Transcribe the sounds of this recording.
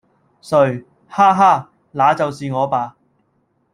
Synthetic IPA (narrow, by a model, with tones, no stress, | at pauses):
sɵ˨˧˩ɥ | haː˥ɦaː˥˩ | laː˨˥t͡sɐ˨wsiː˨ŋɔː˨˧paː˨˧